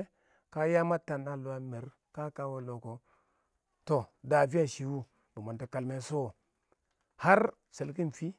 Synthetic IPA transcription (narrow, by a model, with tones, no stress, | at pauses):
ka˦ja˦ma˦ta˨na˨lu˨wa˨˦me˨ɾ | ka˦ka˦wo˦lo˨ko˨ | to˨da˨vi˦a˦ʃi˨wu˦ | bu˨ma˨nta˨ka˨lme˨so˦˨ | ha˦ɾ | se˨lk̬i˦n˨fi˦